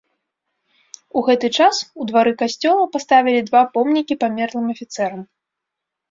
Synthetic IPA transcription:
uɣɛt̪ɨt͡ʂasud̪vaɾɨkasʲt͡sʲɔlˠɐpast̪avʲilʲid̪vapɔmnʲikʲipamʲɛrnˠɨmɐfʲit̪sɛɾɐm

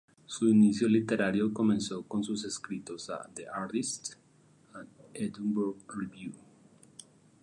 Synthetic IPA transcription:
suinisjolit̪e̞ɾaɾjoko̞mẽnso̞ko̞nsus̬e̞skɾit̪o̞sa̰ðeʔaɾt̪ist̪ | aed̪mbuɾɡriβju

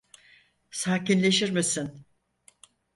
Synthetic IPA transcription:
saːcinlʲe̞ʃiɾmisin

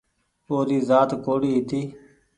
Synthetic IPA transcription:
oːd̪iːzaːt̪koːɽiːɦɪt̪iː

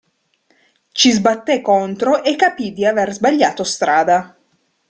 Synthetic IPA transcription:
t͡ʃizbat̪ːekːont̪ɾoʔekːapid̪iaverzbaʎːaːt̪ost̪ɾaːd̪a

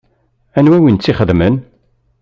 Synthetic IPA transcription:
ænwæwint͡sːiχəðmən

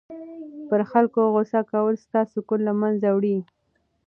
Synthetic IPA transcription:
pəɾxalkoɣosakawəlst̪ɑsʊkolːamanzawɽi

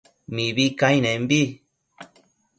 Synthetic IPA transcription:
mĩβikãj̃nẽmbi

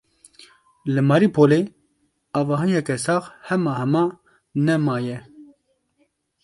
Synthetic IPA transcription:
lɨmɑɾipʰole | ɑːvɑːɦɨjɛkɛsɑːxhɛmɑːhɛmɑː | nɛmɑːjɛ

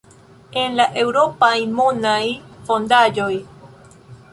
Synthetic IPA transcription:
enlaʔewɾopajmonajfond̪ad͡ʒoj

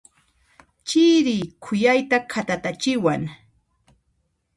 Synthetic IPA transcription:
t͡ʃiɾɪːkʰʊjajt̪akʰat̪at̪at͡ʃɪwaŋ

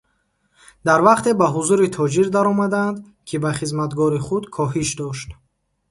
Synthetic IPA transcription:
d̪aɾvaqt̪ʰe̞baɦuzuɾit̪ʰɔd͡ʒiɾd̪aɾɔmad̪and̪ | kʰibaχizmat̪ɡɔɾiχud̪kʰɔɦiʃd̪ɔʃt̪

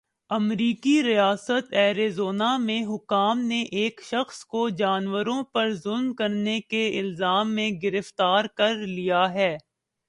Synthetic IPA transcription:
ɐmɾiːkiɾijaːsət̪ɛːɾezoːnamẽɦʊkaːmneʔeːkʃɐxskod͡ʒaːnwəɾõpɐɾzʊlmkɐɾnekeɪlzaːmːẽɡɪɾəft̪aːɾkɐɾlijaɦɛː

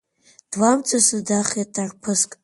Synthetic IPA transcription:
d̥lamt͡sʰʼasɨdaχjatʰarpʰɨskʼ

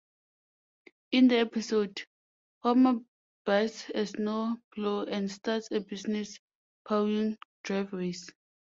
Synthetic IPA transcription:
ĩndəɛpisod | fɔma | b̥asɛsnobloɛ̃ndstatsebisnɛs | pʰawĩŋd̥ɹajvɹes

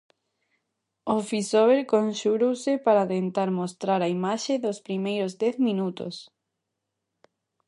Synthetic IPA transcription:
ofisoβeɾkonʃuɾowsɪpaɾat̪ent̪aɾmost̪ɾaɾaimaʃeðospɾimejɾozd̪ɛθmĩnut̪o̰s

